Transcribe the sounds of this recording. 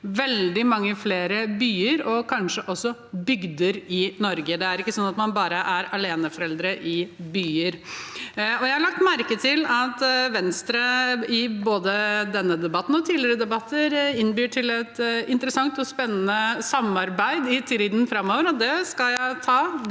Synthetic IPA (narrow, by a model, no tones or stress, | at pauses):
ʋɛld̪ɪmɑŋːəfleːɾəbyːəɾɔkʰɑnʂəʔɔsːɔbʏɡd̪əɾɪnɔɾɡəd̪ɛæɾɪkːəsɔnːɑt̪mɑnbɑːɾəʔæɾɑleːnəfɔɾɛld̪ɾəʔɪbyːəɾ | ɔjæɪhɑɾɭɑk̚t̪mæɾkət̪ʰɪlɑt̪ʋɛnst̪ɾəɪboːd̪əd̪ɛnːəd̪ɛbɑt̪ːn̩ɔt̪ʰiːdlɪɾəd̪ɛbɑt̪ʰːəɾɪnːbyːʈʰɪlɛt̪ɪnt̪əɾəsɑŋt̪ɔspɛnːənəsɑmɑɾbæɪd̪ɪt̪ʰiɾiːd̪n̩fɾɑmːoːʋəɾɔd̪ɛskɑjæɪt̪ʰɑː